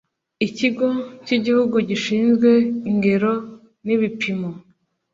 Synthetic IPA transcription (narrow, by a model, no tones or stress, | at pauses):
iciɡo̞ciɟihuɡuɟiʃiːnzɡwe̞iŋɡe̞ɾo̞ | niβipimo